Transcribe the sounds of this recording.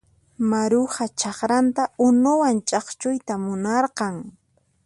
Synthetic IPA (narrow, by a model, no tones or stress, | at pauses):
maɾʊχat͡ʃɑχɾant̪aʊnʊwant͡ʃʼɑχt͡ʃʊjt̪amʊnɑɾqɑŋ